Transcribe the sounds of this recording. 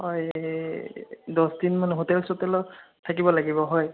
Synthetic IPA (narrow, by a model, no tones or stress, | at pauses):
ɦɔj | dɔsdinmanɛɦotɛlsotɛlɔtʰakibɔlaɡibɔɦɔj